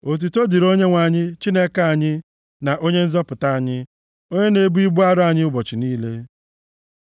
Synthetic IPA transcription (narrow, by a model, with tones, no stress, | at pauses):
o˨t̬i˨to˦di˨ɾo˦ɲe˦ŋʷa˨ɲɪ˦t͡ʃi˦ne˦ka˨a˨ɲɪ˦ | na˨ʔo˦ɲe˦n̩˦zɔ˦pʊ˨ta˦a˨ɲɪ˦ | o˦ɲe˦ne˨˦bu˦i˦bu˦a˦ɾa˨ɲɪ˦ʊ˦bɔ˨t͡ʃɪ˨niː˦le˦